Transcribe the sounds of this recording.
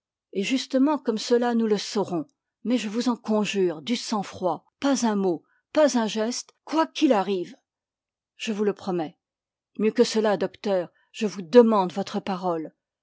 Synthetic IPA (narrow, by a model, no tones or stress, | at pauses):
eʒyst̪əmɑ̃kɔmsəlanuləsɔʁɔ̃ | mɛʒəvuzɑ̃kɔ̃ʒyʁd̪ysɑ̃fχwa | pazɛ̃mo | pazɛ̃ʒɛst̪kwakʲilaʁiːv | ʒ̥əvuləpχɔmɛ | mjøkəsəlad̪ɔkt̪œːʁ | ʒ̥əvud̪əmɑ̃d̪vɔt̪χəpaʁɔl